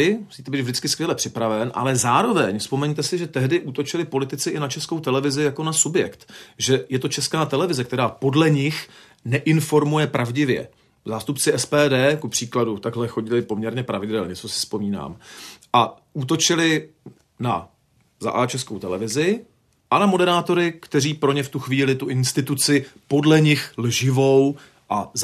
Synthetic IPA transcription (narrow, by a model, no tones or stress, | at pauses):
ɪmu̥siːt̪ɛbiːd̪vʒdɪt͡skɪskvjɛlɛpr̥ɪpɾavɛnʔa̰lɛzaːɾo̞vɛɲfspo̞mɛɲt̪ɛsɪʒɛt̪ɛɦdɪʔuːt̪o̞t͡ʃɪlɪpo̞lɪt̪ɪt͡sɪʔɪnat͡ʃɛsko̞wt̪ɛlɛvɪzɪjako̞nasubjɛkt̪ʒɛjɛt̪o̞t͡ʃɛskaːt̪ɛlɛvɪzɛk̚t̪ɛɾaːpo̞dlɛɲɪx | nɛʔɪnfo̞ɾmujɛpɾʔavɟɪvjɛ̰ | zaːst̪upt͡sɪʔɛspɛːdɛːkupr̝̥iːkladut̪aɡɦlɛxo̞ɟɪlɪpo̞mɲɛɾɲɛpɾavɪdɛlɲɛt͡so̞sɪ̥spo̞miːna̰ːmʔa | ʔuːt̪o̞t͡ʃɪlɪ | na | za̰ʔat͡ʃɛskowt̪ɛlɛvɪzɪ | ʔanamo̞dɛɾaːt̪o̞ɾɪkt̪ɛriːpɾo̞ɲɛft̪uxviːlɪt̪uʔɪnst̪ɪt̪ut͡sɪpo̞dlɛɲɪxlʒɪvo̞w | ʔaz